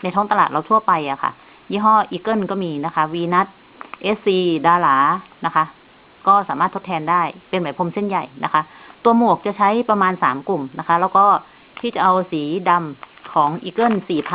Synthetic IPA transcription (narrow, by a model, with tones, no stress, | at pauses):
na˧jt̪ʰɔː˦˥ŋt̪a˧laː˨˩t̪̚laː˧˩t̪ʰu˥˩ɐpa˧jʔa˨˩kʰa̰˧˩ | jiː˦˥˩ɦɔː˥˩ʔiː˧kɤ˥˩˨nkɔː˥˩miː˧na˦˥kʰa˦˥wiː˧na˦˥t̪̚ | ʔeː˦˥siː˧daː˧laː˩˦na˦˥kʰa˦˥ | kɔː˥˩saː˨˦maː˥˩t̪ːʰo˥t̪ʰɛː˧ndaː˥˩jpe˧nwa˨˦jpʰo˧mse˥˩nja˨˩jna˦˥kʰa˦˥t̪u˧ɐmu˨˩ək̚t͡ɕa˨˩t͡ɕʰa˦˥jpa˧maː˧nsaː˩˦mku˨˩mna˦˥kʰa˦˥lɛ˦˧˥wkɔː˥˩ | t̪ʰiː˥˩t͡ɕa˨˩ʔa˧wsiː˩˦da˧mkʰɔː˩˦ŋʔiː˧˩kɤ˥˨nsiː˨˩pʰ